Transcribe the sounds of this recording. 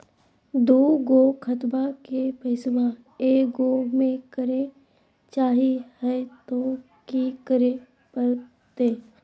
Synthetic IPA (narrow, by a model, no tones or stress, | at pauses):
d̪oːɡoːkʰət̪bakepɐɪsba | eːkɡoːmẽkəɾe | t͡ʃaːɦihɛt̪o | kikəɾe | pəɾ | t̪eː